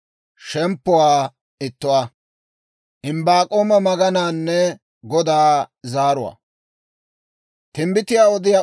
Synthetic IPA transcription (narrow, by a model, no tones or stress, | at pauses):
ʃɛmpːʊwaː | ɪt̪ːʊwaː | ʔɪmbaːkʼoːmɐmɐɡɐnaːnːɛ | ɡɔd̪aːzaːɾʊwa̰ː | t̪ɪmbɪt̪ɪjaːɔd̪ɪjaː